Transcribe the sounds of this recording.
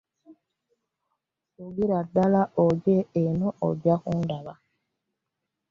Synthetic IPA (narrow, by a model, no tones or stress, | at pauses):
suɡiɾadːalaoɟeenoʔoɟakundaβa